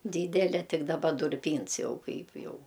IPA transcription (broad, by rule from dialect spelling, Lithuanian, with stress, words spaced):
ˈdʲiːdʲɛlʲɛ ˈtʲɪk dɐˈbɐ dʊrʲˈpʲiːns ˈjɛʊ ˈkɐɪp ˈjɛʊ